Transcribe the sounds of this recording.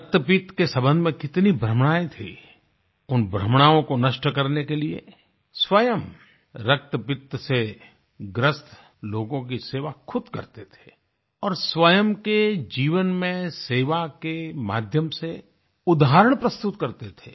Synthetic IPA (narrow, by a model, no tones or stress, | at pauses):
ɾək̚t̪əpɪt̪kesɐ̃bə̃nd̪ʱmẽkɪt̪nibʱɾəmɽ̃aːet̪ʰḭ | ʊnbʱɾəmɽ̃aːõkonɐʃʈəkɐɾnekeliḛ | swɐjəm | ɾɐk̚t̪əpɪt̪se | ɡɾəst̪ | loːɡõk̬iseːʋakʰʊd̪kɐ̰ɾt̪et̪ʰe̥ː | ɔːɾswɐjəmked͡ʒiːʋənmẽseːʋakema̰ːd̪ʱjəmse | ʊd̪aɦəɾəɽ̃pɾɐst̪ʊt̪kɐɾt̪et̪ʰḛː